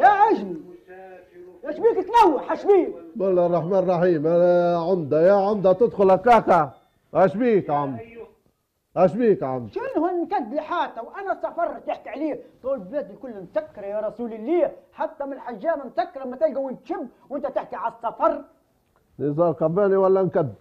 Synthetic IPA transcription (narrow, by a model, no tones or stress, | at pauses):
jaʕaʒli | jæʃbiːkt̪nawːaħaʃbiːkmalːarˤːɑħmaːnrˤɑħiːmaʕand̪ajaʕand̪at̪ɪd̪xʊlakːaːka | haʃbiːkʕam | haʃbiːkʕa̰nd̪ʃɪnːhunnkad̪ːlɪħaːt̪ːawʔanasˤːɑfɑɾˤt̪jɪħkiʕliːt̪ˤuːlblaːd̪ɪlkʊlːnt̪akːɾˤjaɾˤɑsuːlilːiːħat̪ːamɪnħaʒːaːmansakːɾˤmːat̪alɡawːɪnt̪ʃɪbːwʔɪnt̪æt̪ɪħkiʕasˤːɑfɑrˤ | nizˤɑːɾqɑbːaːniwalːankad̪̚ː